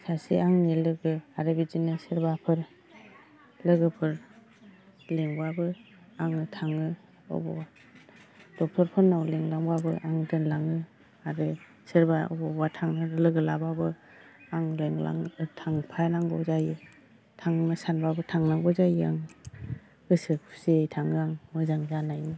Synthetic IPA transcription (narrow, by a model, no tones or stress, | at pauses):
sasḭaŋnelɯɡɯaɾɯbid͡ʒinɯsɯɾbapʰɯɾ | lɯɡɯpʰɯɾ | leŋbabɯ | aŋɯtʰaŋɯ | ɔ̰bɔ̰wa | d̥ɔk̚tʰɔɾpʰɯɾnawleŋlaŋbabɯʔaŋdɯnlaŋɯ | aɾɯ | sɯɾbaɔ̰bɔbwatʰaŋnaɾlɯɡɯlababɯ | aŋleŋla̰ŋtʰaŋpʰajnaŋbɔ̰zaji | tʰaŋnɯsanbabɯtʰaŋnaɡɔzajia̰ŋ | ɯsɯkʰu̥sejtʰaŋɯaŋmɯzaŋzanajnɯ